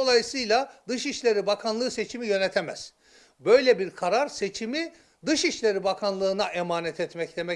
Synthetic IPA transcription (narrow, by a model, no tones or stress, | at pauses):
o̞lˠajɯsɯjlˠad̪ɯʃiʃlʲe̞ɾibakʰanlˠɯːse̞t͡ʃʰimijø̞nɛt̪ʰemɛz̥ | bø̞jlʲɛbiɾkʰaɾaɾset͡ʃʰimi | d̪ɯʃiʃlʲe̞ɾibakʰanlˠɯːnaʔemaːnɛt̪ʰɛt̪mɛcd̪emɛ